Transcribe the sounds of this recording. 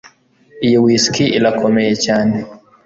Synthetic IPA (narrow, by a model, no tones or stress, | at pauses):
ijiwiːskiʔilakʰomejecaːne